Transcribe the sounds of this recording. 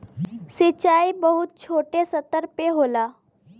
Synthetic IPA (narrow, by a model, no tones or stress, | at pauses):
sɪt͡ʃaːibəɦʊt̪̚t͡ʃʰoːʈesɐt̪əɾpeɦoːlaː